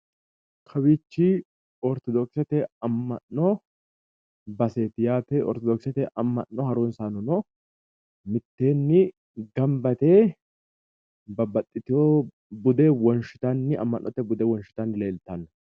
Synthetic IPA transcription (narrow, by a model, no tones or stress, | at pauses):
kʰɐwɪt͡ʃːi | ɔɾt̪ɔd̪ɔksɛt̪ɛɐmːɐnːɔ | bɐseːt̪ɪjaːt̪eʔɔ̰ɾt̪ɔd̪ɔksɛt̪ɛʔɐmːɐ̰nːɔhɐɾuːnsaːnɔnɔ | mɪt̪ːe̞ːnːɪ | ɡɐmbɐt̪eː | bɐbɐt̪ʼːɪt̪ɪo | bʊd̪ewɔnʃɪ̥t̪ɐnːɪɐ̰mːɐnːɔt̪ːɛbʊd̪ɛwɔnʃɪ̥t̪ɐnːɪle̞ːlt̪ɐnːɐ